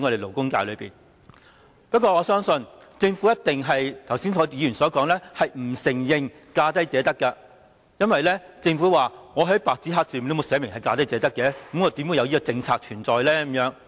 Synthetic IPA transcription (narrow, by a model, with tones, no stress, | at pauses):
ŋɔ˨˧ɾe˨˩lo˨˩wkʊ˥ŋkaː˧jlɵ˨˧pḭː˨n | pɐ˥t̚kɔː˧ŋɔː˨˧sœː˥ŋsɵ˧nt͡sɪ˧ŋfuː˨˥jɐ˥t̪̚ɪ˨ŋɦɐ˨jt̪ʰɐ˨˩wsiː˥nsɔː˨˥iː˨˧jy˨˩nsɔː˨˥kɔː˨˥ŋlɛː˥hɐ˨jm̩˨˩sɪ˨˩ŋjɪ˨ŋ | kaː˧t̪ɐ˥jt͡sɛː˨˥t̪ɐ˥kːɐ˧ | jɐ˥nwɐ˨jlɛː˥t͡sɪ˧ŋfuː˨˥waː˨ŋɔː˨˧ɦɐ˨˥jpaː˨k̚t͡si˨˥ɦaː˧k̚t͡siː˨m˨le˨˧mo˨˧wsɛː˨˧˥mɪ˨˩ŋhɐ˨jkaː˧t̪ɐ˥jt͡sɛː˨˧t̪ɐ˥kːɛː˨˧k̩˨˥mŋɔ˨˧˥t̪iː˨˥mwu˧jɐ˧wjiː˥kɔː˧t͡sɪ˧ŋt͡sʰaː˧k̚t͡ʃʰyː˨˩nt͡sɔː˨jlɛː˥kʊ˧˥mjœː˨˥ŋ